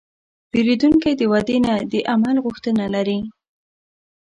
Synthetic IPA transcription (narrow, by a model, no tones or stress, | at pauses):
b̥eɾid̪uŋkajd̪əwad̪enad̪əʔamalɣʊxt̪ənalaɾi